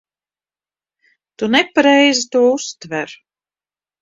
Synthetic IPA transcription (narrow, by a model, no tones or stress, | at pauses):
t̪unɛpaɾɛjzit̪uɔust̪vɛɾ